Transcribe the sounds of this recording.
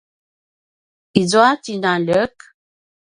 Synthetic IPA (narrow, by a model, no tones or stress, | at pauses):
id͡zwatinalək